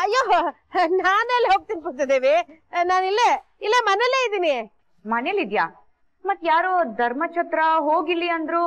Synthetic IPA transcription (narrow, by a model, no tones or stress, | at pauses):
ɐjːoː | naːnelːɦoːɡ̚t̪inipunt̪ɐd̪eːʋi | naːnilːe | ilːemɐneleːid̪iːni | mɐnelid̪ja̰ | mɐt̪ːjaːɾoːd̪ʱɐɾmɐt͡ʃʰɐt̪ɾɐɦoːɡilːiɐnd̪ɾu